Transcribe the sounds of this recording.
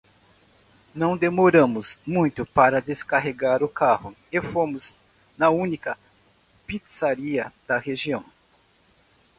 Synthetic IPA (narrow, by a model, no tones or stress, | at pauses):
nɐ̃w̃d̪emoɾɐ̃mʊzmũj̃t̪ʊpaɾɐd̪eskaɦeɡaɾʊkahʊ | efomʊz̥ | nɐũnikɐ | pit̪saɾiɐd̪̥ɐheʒiɐ̃w̃